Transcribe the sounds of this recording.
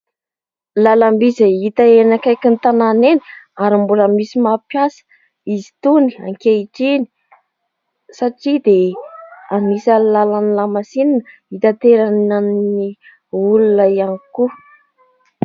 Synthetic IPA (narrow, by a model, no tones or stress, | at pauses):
lalambizait̪əenakajkint̪ananeni̥aɾimbuləmisimapjasə̥ | izi̥t̪unia̰ŋkeiʈ͡ʂini̥ | saʈ͡ʂid̪e | anisalalanlamasininəit̪at̪eɾananni | ulunəianiku